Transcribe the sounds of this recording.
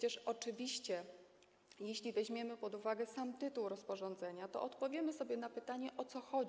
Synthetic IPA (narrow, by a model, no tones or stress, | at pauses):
ɛt͡ɕɛʂɔt͡ʂɘvʲiɕt͡ɕɛ | jeɕlʲivɛʑmʲjɛmɘpɔd̪uvaɡɛsamt̪ɘt̪uwɾɔspɔʐɔ̃nd̪zɛɲat̪ɔ̰ʔɔt̪pɔvʲjɛmɘsɔbʲjɛnapɘt̪aɲɛʔɔt̪sɔxɔd͡ʑi